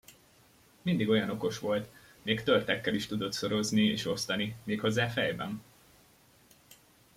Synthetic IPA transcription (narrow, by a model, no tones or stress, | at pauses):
mind̪iɡo̞jɒno̞ko̞ʃʋo̞lt̪ | meːkt̪ørt̪ɛkːɛliʃt̪ud̪o̞t̪so̞ɾo̞zniḛːʃo̞st̪ɒnimeːkho̞zːaːfɛjbɛ̰n